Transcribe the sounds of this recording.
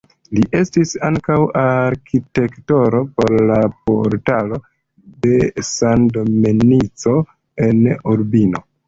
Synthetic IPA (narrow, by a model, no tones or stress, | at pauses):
liʔe̞stisaŋkawaɾkite̞kto̞ɾo̞po̞ɾlapo̰ɾtalo̞ | de̞sandominit͡so̞ | e̞nuɾbino̞